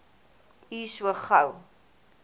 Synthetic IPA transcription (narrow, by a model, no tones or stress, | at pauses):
iswəχɐw